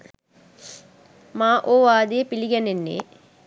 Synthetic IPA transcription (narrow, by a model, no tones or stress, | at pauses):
maːʔoːʋaːd̪epiliɡɛnenːḛː